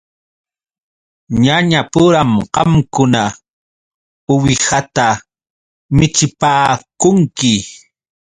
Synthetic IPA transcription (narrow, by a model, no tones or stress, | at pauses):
ɲaɲapʊɾamqɑmkʊna | ʊwɪhat̪a | mɪt͡ʃɪpaːkʊŋkɪ